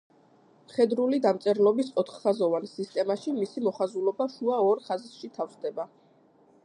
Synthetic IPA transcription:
χɛd̪ɾulid̪amt̪sʼɛɾlˠɔbisʼɔt̪ʰχχazɔvansist̪ʼɛmaʃimisimɔχazulˠɔbaʃuaɔɾχazʃit̪ʰafχd̪ɛba

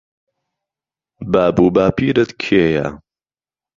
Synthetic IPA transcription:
baːbuːbaːpiːɾɨt̪kʰeːja̰

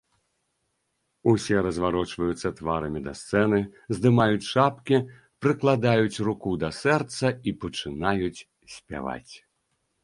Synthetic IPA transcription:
usʲɛɾɐzvaɾɔt͡ʂvɐjut̪sːɐt̪vaɾɐmʲid̪ɐst̪sɛnɨzd̪ɨmajut͡sʲʂapkʲi | pɾɨklˠad̪ajut͡sʲrukud̪ɐsɛrt̪sɐipɐt͡ʂɨnajut͡sʲ | sʲpʲa̰va̰t͡sʲ

